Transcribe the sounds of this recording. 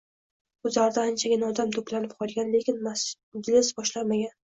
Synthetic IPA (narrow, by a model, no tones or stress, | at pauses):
ʊzaɾd̪aːnt͡ʃʰaɡʲɪnaɒd̪amt̪ʰoplanɪp̚qʰɒlˠɡʲanle̞kʲɪnmas | ɡʲlɪsbɒʃlaɾmaɡʲan